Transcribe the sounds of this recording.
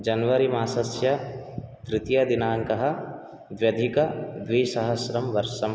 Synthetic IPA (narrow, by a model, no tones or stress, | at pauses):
d͡ʒɐnʋɐɾimaːsɐsjɐt̪ɾɪt̪jɐd̪inaːŋkɐɦɐ | ʋjɐd̪ʱikɐd̪ʋiːsɐɦɐsɾɐmʋɐɾʃɐm